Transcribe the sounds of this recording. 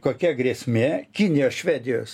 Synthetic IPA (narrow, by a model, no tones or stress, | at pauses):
koːkʲɛɡɾʲiɛsʲmʲeːkʲɪnʲɪjoːsʃʲʋʲæːd̪ʲɪjoːs